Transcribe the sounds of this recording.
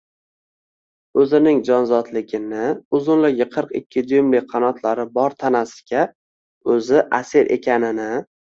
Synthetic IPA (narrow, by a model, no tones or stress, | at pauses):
ɵzɪnɪŋd͡ʒɒnzɒt̪lɪɡʲɪnɪʊzʊnlɪɡʲɪqʰɨɾqɪ̰kʲʰːɪd̪ʊjɪmlɪqʰɑnɒt̪ʰlaɾɪbɒɾt̪ʰanasɪ̥ɡʲa | ɵzɪʔasɪɾʔe̞̰kʲʰanɪnɪ